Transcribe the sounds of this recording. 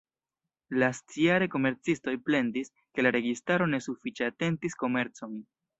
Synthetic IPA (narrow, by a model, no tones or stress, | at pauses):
last͡siaɾe̞ko̞me̞ɾt͡sisto̞jple̞ndis | ke̞laɾe̞ɡistaɾo̞ne̞sufit͡ʃeate̞ntisko̞me̞ɾt͡so̞n